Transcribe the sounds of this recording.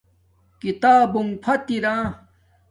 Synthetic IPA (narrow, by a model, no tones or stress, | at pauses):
kit̪aːbuŋpʰɐt̪iɾãː